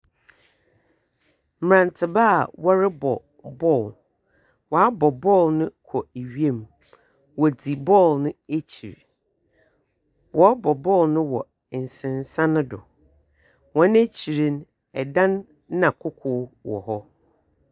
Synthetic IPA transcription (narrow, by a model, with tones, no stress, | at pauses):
m̩˨ɾã˨ntʰɪ˨baː˦˨wɔ˦ɾɪ˦bɔ˨ | bɔ˦˨l | wɔ˨a˦bɔ˨bɔ˦˨lnʊ̃˦kʰɔ˨e˨ɥi˦e˦˨m | wɔ˨d͡zi˨bɔ˦˨lnʊ̃˦e˦t͡ɕʰḭ˨ɾ | wɔ˨a˦bɔ˨bɔ˦˨lnʊ̃˦wɔ˨ | n̩˨sɪ̃˨n˨sã˦nʊ̃˦dʊ̰˨ | wɔ̃˦ne˦t͡ɕʰi˨ɾĩ˦n | ɛ˨dã˦nː | ã˨kʰʊ˦kʰʊː˦wɔ̰˨hɔ˦